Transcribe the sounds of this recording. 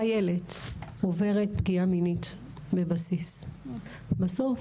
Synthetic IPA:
jele̞tove̞ʁet̚bɡiaminit | be̞basis | baso̞f

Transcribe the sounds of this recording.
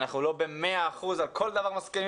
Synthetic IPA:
naχnulo̞bemeaːχuzalkʰo̞ld̪avaʁmaskeni

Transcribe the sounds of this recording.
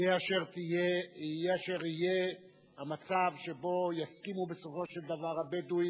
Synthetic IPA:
eaʃeʁt̪ijeijeaʃe̞ʁije | hamat͡savʃe̞bo̞jaskimubeso̞fo̞ʃe̞ld̪avaʁabed̪u

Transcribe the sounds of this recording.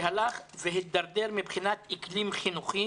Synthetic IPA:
ɦalaχveɦit̪̚d̪aʁd̪eʁmibχinat̪iklimχinuχi

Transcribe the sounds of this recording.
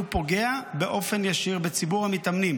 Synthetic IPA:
upo̞ɡe̞abeʔo̞fe̞njaʃiʁbet͡sibuʁhamitamnim

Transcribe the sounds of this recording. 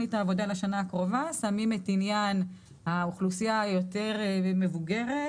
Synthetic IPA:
itaːvo̞d̪alaʃanaːkʁo̞vasamime̞tinjan | hauχlusijajo̞te̞ʁme̞vuɡe̞ʁe

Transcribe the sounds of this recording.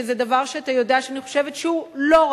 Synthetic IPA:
ezedavaʁʃeat̪ajo̞deaʃeaniχo̞ʃe̞vetʃeulo̞ʁ

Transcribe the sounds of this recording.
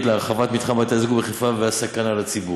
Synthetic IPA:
tleaʁχavat̪mit̪χamat̪azɡubeχefaveasakanalat͡sibu

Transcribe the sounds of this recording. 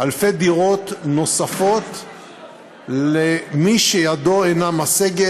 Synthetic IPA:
ʔalfe̞d̪iʁo̞t̪no̞safo̞t̪ | lemiʃejado̞enamaseɡe

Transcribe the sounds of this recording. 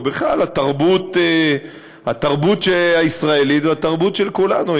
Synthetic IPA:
beχlalhat̪aʁbut̪e | hat̪aʁbut̪ʃeaisʁaelit̪veat̪aʁbut̪ʃelkulanu

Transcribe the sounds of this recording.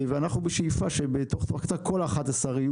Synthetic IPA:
veanaχnubeʃeifaʃebet̪o̞χt̪okḁt͡sako̞laχat̪asaʁiu

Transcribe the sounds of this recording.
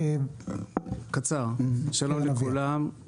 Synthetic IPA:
kat͡saʁʃalo̞mlekulam

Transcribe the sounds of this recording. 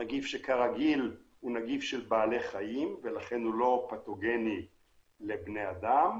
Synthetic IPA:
naɡifʃekaʁaɡil | hunaɡifʃelbaːleχaimvelaχe̞nulo̞pat̪oɡe̞ni | lebne̞ad̪am

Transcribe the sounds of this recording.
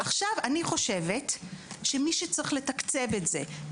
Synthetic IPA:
aχʃavaniχo̞ʃe̞vetʃemiʃet͡sʁiχle̞takt͡se̞vetze̞

